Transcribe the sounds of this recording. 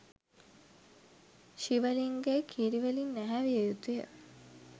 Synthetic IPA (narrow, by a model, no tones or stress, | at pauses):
ʃiʋəliŋɡejkʰiɾiʋəlinːæɦæʋiejut̪ujə̰